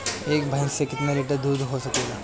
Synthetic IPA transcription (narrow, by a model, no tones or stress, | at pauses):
eːkbʱɐjnsekɪt̪meɾeʈəd̪uːd̪ɦosɐkeɡaː